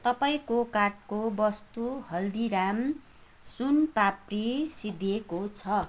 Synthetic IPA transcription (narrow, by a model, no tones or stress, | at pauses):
t̪ʌpaĩkokaʈ̚kobʌst̪uhʌld̪iɾam | sunpaprisid̪ʱekot͡sʰʌ